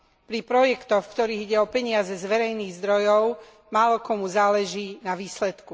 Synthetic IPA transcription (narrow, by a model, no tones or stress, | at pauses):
pɾipɾɔjɛkt̪ɔxfkt̪ɔɾiːɣiɟɛɔpɛɲɪazɛzʋɛɾɛjniːɣzd̪ɾɔjɔʊ | maːlɔkɔmuzaːlɛʒiːnaʋiːslɛt̪ku